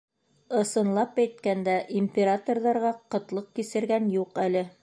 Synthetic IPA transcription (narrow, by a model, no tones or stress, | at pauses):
ɤ̆sɤ̆nlˠɑpæjt̪kænd̪æʔimʲpʲeɾat̪orðɑɾʁɑqɤ̆t̪lˠɤq̚kisɘ̆ɾɡænjuqælɘ